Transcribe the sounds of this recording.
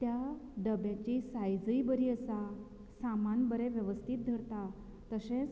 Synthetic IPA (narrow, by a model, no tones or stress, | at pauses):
t̪jaɖəbjat͡ɕisajd͡zəibəɾiːəsa | samanbəɾeʋjəʋəst̪ʰiːt̪̚d̪ʱəɾt̪a | t̪əsẽ